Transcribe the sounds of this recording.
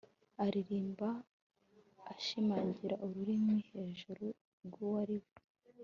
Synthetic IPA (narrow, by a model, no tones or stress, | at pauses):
aɾiɾiːmba | ʃimaːɲɟiɾaʔuɾuɾimwiːhe̞ːʒuɾu | ɾɡuwaɾiβu